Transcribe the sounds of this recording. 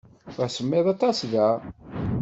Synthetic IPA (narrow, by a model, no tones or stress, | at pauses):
æsəmːɪðˤɑt̪ˤɑsðæ